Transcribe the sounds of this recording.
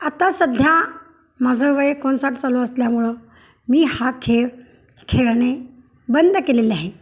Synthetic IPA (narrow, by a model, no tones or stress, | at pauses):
at̪asəd̪ʱja | mad͡zʱəʋəekɔɳsaʈʰt͡saluəsljamuɭə | miːhakʰe | kʰeɭɳe | bənd̪ʱkelelaɦe